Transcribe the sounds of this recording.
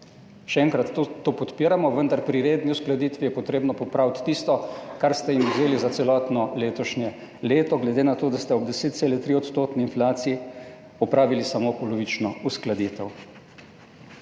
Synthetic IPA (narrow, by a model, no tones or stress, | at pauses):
ʃɛɛŋkɾat̪ːopɔt̪piːɾamɔʋənd̪aɾpɾiɾeːd̪niusklad̪it̪ʋijɛpɔt̪ɾeːbnɔpɔpɾaːwt̪ːist̪ɔkaɾst̪ɛimuzeːlizat̪sɛlɔːt̪nɔleːt̪ɔʃnjɛ | leːt̪ɔɡlɛd̪eːnat̪oːd̪ast̪ɛɔbd̪ɛseːt̪t̪selɛt̪ɾiɔt̪st̪oːt̪nɛinflaːt̪siji | ɔpɾaːʋilisamopɔloʋit͡ʃnɔusklad̪it̪ɛw